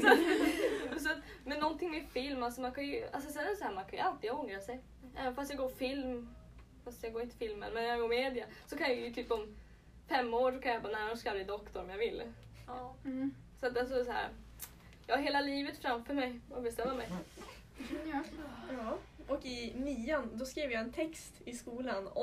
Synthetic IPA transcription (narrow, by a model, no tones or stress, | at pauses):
sa | s̬ɔat̪mɛnːɔnt̪ʰɪŋmɛfɪlmalsɔmankʰanjɵa̰ls̬ɔsɛnɛsɔhæːɾmankʰanjə̰alt̪ɪɡjɔŋɾasɛj | ʔɛ̰ːvənfast̪jɑɡoːɾfɪlm | fast̪jɑɡoːɾɪnt̪ə̥fɪlmə̰nmɛnːæɾjaɡoːɾmeːd̪ɪasɔkʰanjajjt̪ʰyːpɔm | fɛmːoːɾʂɔkʰanjabɑːnænɔskaalɪd̪ɔkt̪ɔɾɔmjavɪlː | sat̪as̬ɔs̬ɔhæ̰ːɾ | jɑɡɦeːlaliːvət̪fɾamfœɾmɛjɔbɛst̪ɛmːamɛj | jɑʔɔkɪniːand̪ɔskɾiːvəɾjaɛnt̪ʰɛkst̪ɪskuːlanɔ